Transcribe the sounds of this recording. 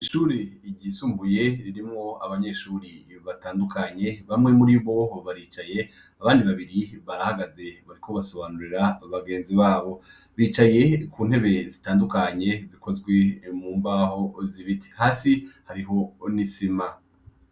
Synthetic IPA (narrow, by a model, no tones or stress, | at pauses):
iʃuːɾiːɟisuːmbuje̞ɾiɾimŋo̞a̰βaɲe̞ʃuːɾiβataːndukʰaɲe̞βamŋe̞muɾiβo̞βaɾiːt͡ʃaje̞ | aβaːndiβaβiɾiβaɾahaɡaze̞βaɾikʰo̞βaso̞βanuɾiɾaβaɡe̞ːnziβaːβo̞ | βiːt͡ʃaje̞kuːn̥he̞βe̞zitaːndukaɲe̞zikʰo̞zɡwe̞muːmbaho̞ziβitʰi̥haːsihaɾiɦo̞nisima